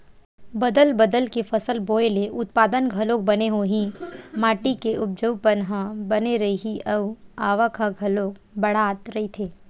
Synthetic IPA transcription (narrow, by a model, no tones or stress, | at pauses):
bɐd̪əlbɐd̪əlkefɐsəlboːjleʔʊt̪̚paːd̪ənɡʱɐloːk̚bɐneɦoɦĩmaːʈikeʔʊp̚d͡ʒəpənɦəbɐneɾɐiɦiʔɐʋaːʋəkʰəɡʱɐlok | bɐɽ̤aːt̪ɾɐɦit̪ʰeː